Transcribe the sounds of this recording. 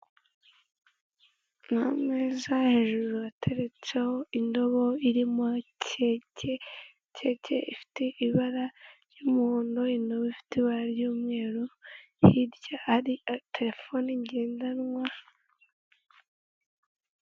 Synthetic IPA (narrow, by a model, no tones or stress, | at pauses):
nhamŋeːzahe̞ʒuɾuatʰe̞ɾe̞t͡se̞ho̞indo̞βo̞iɾimocece | cʰe̞cḛʔifi̥teʔiβaɾaɾjumuhoːndo̞indo̞βoifi̥teβaɾjuːmŋe̞ːɾo | hiɾɟaaɾiatʰe̞ɾe̞fo̞niɲɟe̞ːndanŋwa